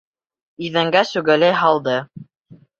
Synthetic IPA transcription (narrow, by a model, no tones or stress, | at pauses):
iðæŋɡæsʉɡælæjɦɑlˠd̪ɤ